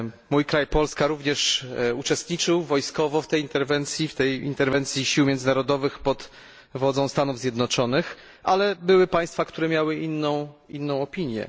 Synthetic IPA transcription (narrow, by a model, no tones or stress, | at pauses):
mujkɾajpɔlskaɾuvɲɛʂut͡ʂɛst̪ɲit͡ʂɘwvɔjskɔvɔft̪ɛjint̪ɛɾvɛnt̪sʲjift̪ɛjḭnt̪ɛɾvɛnt̪sʲjiɕiwmʲjɛnzɘnaɾɔd̪ɔvɘxpɔt̪ | vɔd̪zɔ̃w̃st̪anuvzʲjɛd̪nɔt͡ʂɔnɘx | ʔalɛbɘwɘpaj̃st̪fakt̪uɾɛmʲjawɘʔinːɔ̃w̃inːɔ̃w̃ɔpʲiɲjɛ̰